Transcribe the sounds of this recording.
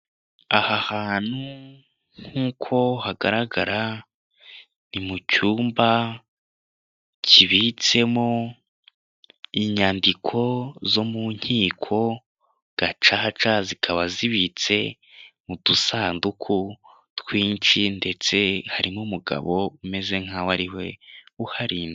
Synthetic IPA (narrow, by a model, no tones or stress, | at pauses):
ahahaːn̥hu | ŋ̥huːkʰo̞haɡaɾaɡaɾa | nimucuːmba | cʰiβit͡se̞mo̞ | iɲandikʰo̞zo̞muɲ̥hiːkʰo̞ | ɡ̥at͡ʃaɦat͡ʃazikʰaβaziβit͡se̞ | mudusaːndukʰu | twiːnt͡ʃinde̞t͡se̞haɾimumuɡa̰βo̞ume̞ze̞ŋ̥hawaɾiwe̞uhaɾiːne